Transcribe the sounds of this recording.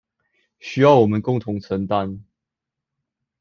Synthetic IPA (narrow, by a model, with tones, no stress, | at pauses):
ɕy˧˥jɑ˥˩ʊwɔ˨˩mə˨˦nkʊ˥˨˩ŋt̪ʰʊ˧˥ŋt͡sʰə˧˥nt̪a˨˦n